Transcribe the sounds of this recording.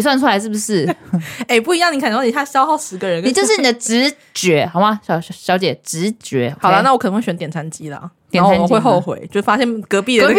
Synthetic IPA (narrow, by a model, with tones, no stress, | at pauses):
swa˥˩nʈ͡ʂʰu˥la˧˥ɪʂɻ̩˥˩bu˩ʂɻ̩˥˩e˥˩ɪpu˥˩i˧jɑ˥˩ŋni˨˩ka˨˩n˨˩o˥˩ni˨˩ɕʰa˥˩ɕjɑ˥ʊxɑ˥˩ʊʂɻ̩˧˥ɡə˨ɻə˧˦nni˨˩t͡ɕjʊ˧ʂɻ̩˥˩˧n˨˩d̪ə˦ʈ͡ʂɻ̩˧˥ | t͡ɕɥɛ˧˥xɑ˨˩ʊma˥˩ɕɑ˨˩ʊɕɕjɑ˧˥ʊt͡ɕjɛ˨˩ʈ͡ʂɻ̩˧˥t͡ɕɥɛ˧˥xɑ˨˩ʊlə˦na˥˩wk̪ʰwe˥˩ɕɛ˧˦nt̪jɛ˨˩nʰa˧˥nt͡ɕi˦˥lə̰˨t̪jnʰ˥a˥˨˧we˥˧ɪxo˥˨ʊxwḛ˧˦ɪt͡ɕjo˥˧˥fa˥ɕjɛ˥˩nkɤ˧˥pi˥˩d